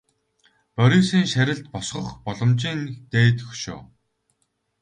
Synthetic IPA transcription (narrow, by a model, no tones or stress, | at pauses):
pœɾʲisiːŋʃæɾʲɪ̆ɮt̪̚pɔsχɞ̆χpɔɮɞ̆mt͡ɕiːnt̪eːt̪ɵxʃʊ̰ː